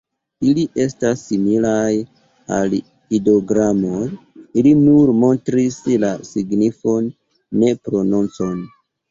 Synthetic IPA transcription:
iliʔe̞stasːimilaj | a̰l | ido̞ɡɾamojilinuɾmo̞ntɾislasiɡnifo̞nː | e̞pɾonunt͡so̞n

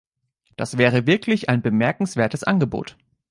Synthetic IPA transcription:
d̥asv̥ɛːʁ̞əvɪɐklɪçʔaɪnbəmɛɐkŋ̩sv̥eːɐtəsʔanɡəbo̰ːt

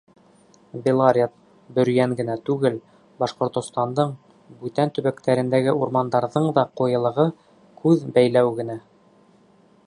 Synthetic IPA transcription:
belˠaɾʲet̪̚ | bɵ̆ɾ̆jæŋɡɘ̆næt̪ʉɡɘl | bɑʃqŏɾt̪ŏst̪ɑnd̪ɤɴ | bʉt̪ænt̪ɵ̆βækt̪æɾɘ̆nd̪æɡɘuɾmɑnd̪ɑɾðɤɴd̪ɑqujɤ̆lˠɤ̆ʁɤ | kʉðbæjlæwɡɘ̆næ

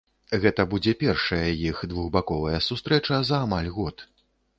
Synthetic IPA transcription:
ɣɛt̪ɐbud͡zʲɛpʲɛrʂɐjɐjixd̪vuɣbakɔvɐjɐsust̪ɾɛt͡ʂɐzɐːmalʲɣɔt̪

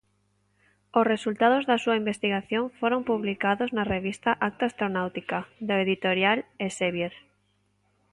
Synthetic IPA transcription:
osresult̪að̞ozðasuaimbest̪iɣaθjõɱfoɾompuβlikaðoznareβ̞ist̪aʔak̚t̪aːst̪ɾonawt̪ikad̪aeðit̪oɾjaleseβjeɾ

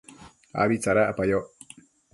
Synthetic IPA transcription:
a̰bit͡saɾaʔapajɔ

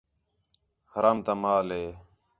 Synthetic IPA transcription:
həɾaːmt̪aːmaːleː

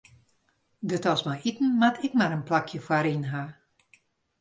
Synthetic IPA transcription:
dətɔsmajitn̩matʰɪkmaɾənplakʰjəfwaɾinɦa

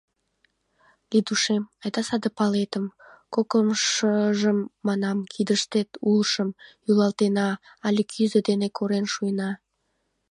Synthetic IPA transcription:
lid̪uʃemɑjd̪ɑsɑd̪əpɑlet̪əmkokəmʃəʒəmːɑnɑmkʰid̪əʃt̪et̪ulʃəmjylɑlt̪enɑ | ɑlʲekʰyzəd̪enekʰoɾenʃujənɑ

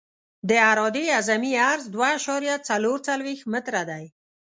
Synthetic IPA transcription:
d̪əaɾɔd̪eazamiaɾzd̪waːʃɔɾjat͡saloɾt͡salwext̪mɪt̪ɾad̪aj

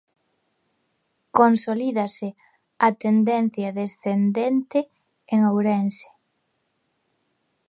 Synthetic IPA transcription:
konsoliðɐsɪ | at̪end̪en̟θjɐðesθend̪ent̪ɪ | eŋawɾɛnse̥

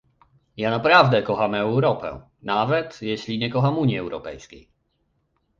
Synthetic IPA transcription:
jaːnapɾavd̪ɛkɔxamɛwɾɔpɛ̰ | navɛt̪jɛɕliɲɛkɔxamuɲjiɛwɾɔpɛjskʲɛ̰j

